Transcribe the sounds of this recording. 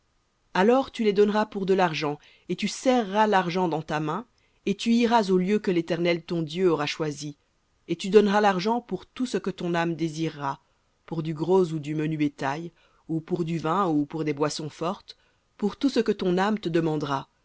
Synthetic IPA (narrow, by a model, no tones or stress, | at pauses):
alɔʁt̪yled̪ɔnʁapuʁd̪əlaʁʒɑ̃ | et̪ysɛʁːalaʁʒɑ̃d̪ɑ̃t̪amɛ̃ | et̪yiʁazoljøkəlet̪ɛʁnɛlt̪ɔ̃d̪jøɔʁaʃwazi | et̪yd̪ɔnʁalaʁʒɑ̃puʁt̪usəkət̪ɔ̃namd̪eziʁːa | puʁd̪yɡʁozud̪ymənybet̪aj | upuʁd̪yvɛ̃upuʁd̪ebwasɔ̃fɔʁt̪ | puʁt̪usəkət̪ɔ̃namt̪əd̪əmɑ̃d̪ʁa